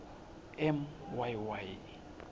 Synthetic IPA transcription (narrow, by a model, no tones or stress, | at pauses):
ɛmwajwaj